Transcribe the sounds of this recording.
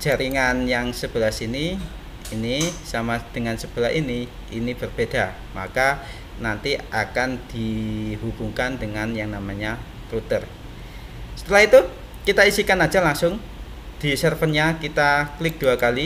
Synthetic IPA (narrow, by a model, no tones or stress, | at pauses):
ʒ̥a̤ɾiŋanjaŋsəb̥ə̤lasini | inisamad̪̥əŋansəb̥əlaʔini | inib̥ərb̥ed̥a̤ | ma̰ka | nant̪iakand̪̥iɦub̥uŋkandəŋanjaŋnamaɲa | rut̪ər | sə̥t̪əlaɦit̪u | kit̪aisikanḁd͡ʒ̥a̤laŋsʊŋ | d̪̥isərfənɲakit̪aklɪk̚d̪̥uakali